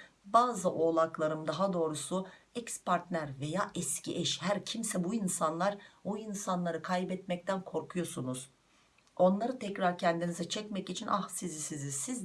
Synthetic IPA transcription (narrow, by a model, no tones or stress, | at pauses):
baːzɯʔo̞ːlˠaklˠaɾɯmd̪aɦad̪o̞ːɾusuɛcspʰaɾt̪næɾve̞jaːʔɛscʰḭʔɛʃhæɾcʰimsɛbuinsanlˠaɾbuinsanlˠaɾɯkʰajbɛt̪mɛc̚t̪ʰænkʰo̞ɾkʰujo̞sunuz̥ | o̞nlˠaɾɯt̪ʰɛcɾaɾcʰɛnd̪inizɛt͡ʃʰɛcmɛcit͡ʃʰinʔahsizisizisiz